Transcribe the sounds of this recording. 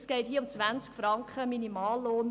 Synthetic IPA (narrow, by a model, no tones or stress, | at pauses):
sɡ̥ɛɪthiːəʊmt͡sʋænskfɾɑŋkχəminimɑːlːoːn